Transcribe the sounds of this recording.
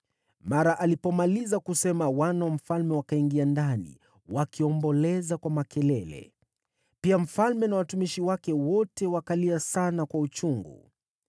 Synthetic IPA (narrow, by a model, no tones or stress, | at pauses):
maɾaʔalipɔmalizakusɛmawanawam̩falmɛwakaiŋɡiandanḭ | wakiɔmbɔlɛzakwamakɛlɛlɛ̰ | piam̩falmɛnawatumiʃiwakɛwɔtɛwakaliasanakwaut͡ʃuŋɡṵ